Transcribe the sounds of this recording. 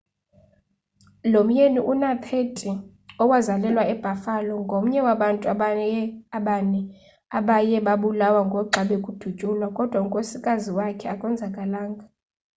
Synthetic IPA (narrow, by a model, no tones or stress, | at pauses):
lom̩jeniʔunat̪ʰetʼi | ɔwazalɛlwaɛb̥ʱafalɔŋɡʱom̩ɲɛwaɓantʼu | aɓanɛ | aɓajɛɓaɓulawaŋɡʱɔǁʱaɓɛkʼud̥ʱut͡ʃʼulwakʼɔd̥ʱwauŋkʼosikʼaziwakʰɛakʼwɛnd͡zʱakʼalaːŋɡʱa